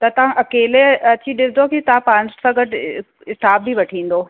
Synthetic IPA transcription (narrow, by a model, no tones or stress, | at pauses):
t̪ɐt̪ɐʋ̤ãʔɐkeːleɐt͡ɕiɗɪsɪd̪okit̪ɐãpãnd͡ʑsãɡɐʈʰ | ɪst̪aːbbiʋɐʈʰĩːn̆d̪oː